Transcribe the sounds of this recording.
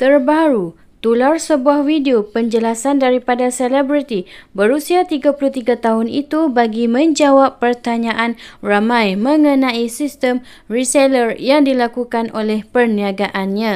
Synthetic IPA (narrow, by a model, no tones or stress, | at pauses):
t̪ərbaɾu | t̪ularsəbuahwideopəɲd͡ʒəlasandaɾipadaselɛbɾit̪ibəɾusiat̪iɡapuluht̪iɡat̪aɦʊnḭt̪ubaɡimə̃ɲd͡ʒawapːərt̪aɲãʔanramãjmə̃ŋə̃nãisist̪əm | riselərjaŋdilakukanʔolɛhpərniaɡaʔanɲã